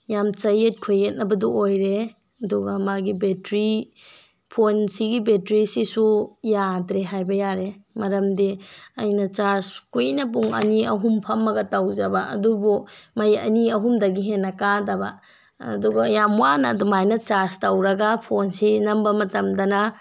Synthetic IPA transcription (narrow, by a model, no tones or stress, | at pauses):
jamt͡ʃɐjet̚kʰojːet̚nɐbɐduojɾe | ɐduɡɐmaɡibetɾi | pʰonsiɡibetɾisisujadɾeɦajbɐjaɾemɐɾɐmdiɐjnɐt͡ʃaɾskujnɐbuŋɐ̰niɐɦumpʰɐmːɐɡɐtɐwd͡ʒɐbɐʔɐ̰dubumɐjɐ̰niɐɦumdɐɡiɦenːɐkadɐbɐ̰ | ɐ̰duɡɐjamwanɐdumajnɐt͡ʃaɾstɐwɾɐɡapʰonsinɐmbɐmɐtɐmdɐna